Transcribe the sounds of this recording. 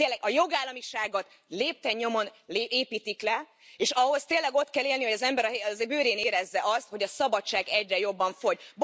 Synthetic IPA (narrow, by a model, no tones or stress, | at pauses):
t̪eːlːɛɡɒjo̞ɡaːlːɒmiʃaːɡot̪ | leːp̚t̪ɛɲːo̞mo̞nleeːpiːt̪iklɛ | eːʃɒɦo̞st̪eːlːɛɡo̞t̪kɛlːeːlnihoɒzɛmbɛɾɒɦzebøːɾeːneːɾɛzːɛʔɒst̪ho̞ɟɒsɒbɒt͡ʃːaːɡɛɟrɛjo̞bːɒɱfo̞ɟb